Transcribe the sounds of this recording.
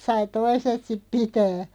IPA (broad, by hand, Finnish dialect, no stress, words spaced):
sɑi toiset sip pitæː